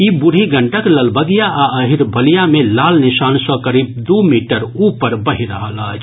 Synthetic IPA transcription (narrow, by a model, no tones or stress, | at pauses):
ibʊɽ̤ʱiɡəɳʈəkləlbəɡijaʔaəɦiɾbəlijamẽlaːlnɪsaːnsɔ̃kəɾiːb̚d̪umiːʈəɾuːpəɾbəɦiɾəɦəlat͡ʃʰ